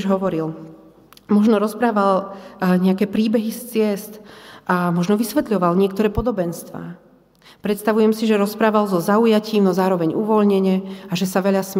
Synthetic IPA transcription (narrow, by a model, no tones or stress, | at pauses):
ʒɦɔʋɔɾil | mɔʒnɔɾɔspɾaːʋalɲɛakɛːpɾiːbɛɦist͡sɪɛst̪ʔamɔʒnɔʋisʋɛt̪ʎɔʋalɲɪɛkt̪ɔɾɛːpɔd̪ɔbɛnst̪ʋa̰ː | pɾɛt̪st̪aʋujɛmsiʒɛɾɔspɾaːʋalzɔzaujaciːmnɔzaːɾɔʋɛɲuʋɔʎɲɛɲɛaʒɛsaʋɛʎasm